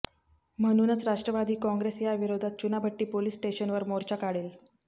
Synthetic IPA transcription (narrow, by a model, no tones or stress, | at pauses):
m̤əɽ̃uːnət͡sɾaʂʈɾəʋad̪ʱiːkɔ̃ŋɡɾesjaʋiɾod̪ʱat̪̚t͡ɕunabʱəʈːiːpoliːsʈeɕənʋəɾmoɾt͡ɕakaɽiːl